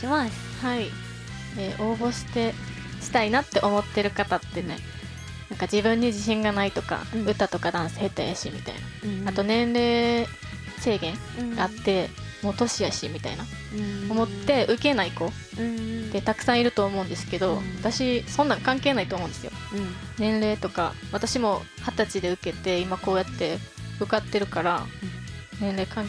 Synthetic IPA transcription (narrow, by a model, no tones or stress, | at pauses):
hai | eːʔo̞ːbo̞ɕi̥t̪e̞ | ɕi̥t̪ainat̪ːe̞ʔo̞mo̞t̪ːe̞ɾɯ̟kat̪at̪ːe̞ne̞̰ | nãŋkad͡ʑibɯ̟̃ɲ̟ːid͡ʑiɕĩŋɡanait̪o̞ka̰ɯ̟t̪ːat̪o̞kad̪ãɰ̃se̥he̞t̪ːajaɕḭmʲḭt̪a̰inaat̪o̞nẽ̞nɾe̞ː | se̞ːɡẽ̞ŋ | ɡaːt̪ːe̞ | mo̞ːt̪o̞ɕijaɕḭmʲit̪a̰ina | omo̞t̪ːe̞ʔɯ̟ke̞naiko̞ | d̪e̞t̪akɯ̟̥sãɰ̃iɾɯ̟t̪o̞ːmo̞ɯ̟̃nd̪esɨ̥ke̞d̪o̞βat̪aɕisõ̞nːãŋkãŋke̞ːnait̪oːmond̪esɨjo̰nẽ̞nɾe̞ːt̪o̞ka̰βat̪aɕimo̞hat̪at͡ɕid̪e̞ɯ̟ke̞t̪e̞imako̞ːjat̪ːe̞bɯ̟kat̪ːe̞ɾɯ̟kaɾa̰ | nẽ̞nɾe̞ːkãŋ